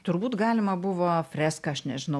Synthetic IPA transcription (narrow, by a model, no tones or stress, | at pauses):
t̪ʊrbuːt̪ɡɑːlʲɪmɐbʊʋoːfʲɾʲæːskɐɐʃnʲɛʒʲɪnɐ